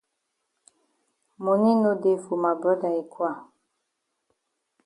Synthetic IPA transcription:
mo˨ni˦no˦de˦˨fu˨ma˨bɔ˦da˨e˨kwa˦˨

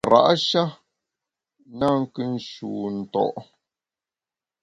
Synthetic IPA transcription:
ɾa̰˨ʔʃa˦ | na˦˨ŋ̩˦kɨ˦n̩˨˦ʃuː˨n̩˨tɔ̰˨ʔ

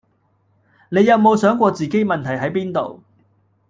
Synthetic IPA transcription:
ne˨˧jːɐ˨˧wmo˨wsœː˨˥ŋkʷɔː˧t͡siː˨ke˨˥jmɐ˨nt̪ʰɐ˨˩jɦɐ˨˥jpiː˥nt̪o̰˨w

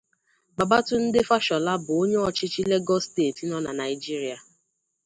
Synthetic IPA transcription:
ɡ͡ba˨ba˦tʊ˦n̩˦dɪ˦fa˦ʃɔ˨la˦bʊ˨o˦ɲe˦ɔ˦t͡ʃɪ˦t͡ʃi˦le˦ɡɔ˦steː˦˨ti˦nɔ˦na˨na˨ɪ˨d͡ʒi˦ɾi˨˦a˨

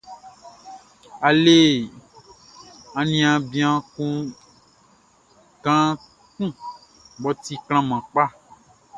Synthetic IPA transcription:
a˨le˦ | ã˨nĩ˦ã˨bĩ˦ã˦kũ˦ | ɡã˦ | kũ˦ | bɔ˨t̪i˦kl̃ã˦mã˨k͡pa˦

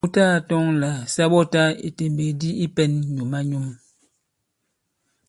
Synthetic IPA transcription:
u˦ta˦˨tɔ˦ŋla˨sa˦ɓɔ˦ta˦ḛ˨te˨m˨be˨di˦i˦pɛ˦nɲu˨ma˦ɲu˦m

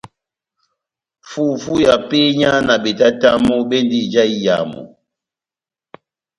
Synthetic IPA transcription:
fu˦fu˦ja˨pe˦ɲa˦na˨ɓe˨ta˦ta˦mɔ˦ɓe˦ndi˦d͡ʒa˦i˦ja̰˨mɔ̰˨

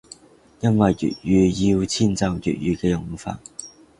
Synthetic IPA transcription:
jɐ˥nwɐ˨jːy̰˨˩t̚jyː˨˧ji˧wt͡sʰiː˥nt͡sɐ˨˧wjy̰ː˨˩t̚jyː˨˧kɛː˧jʊ˨˩ŋfa̰ː˧n̚

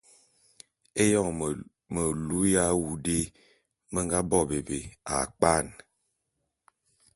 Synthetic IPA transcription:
e˦jɔ˦˨ŋ | mə˨lu˨˦ja˦wu˨de˦ | mə˦ŋ˦ɡa˦bɔ˦˨be˨be˨a̰˨k͡pa˦˨n

